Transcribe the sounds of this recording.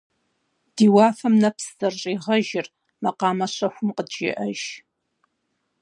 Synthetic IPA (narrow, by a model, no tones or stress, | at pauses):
d̥iːwɑːfɐmnɐpszɐrɕʼiːʁɐʒɪr | mɐqɑːmɐɕʷɐħʷʊmqədʒɪ̰ʔɐʒ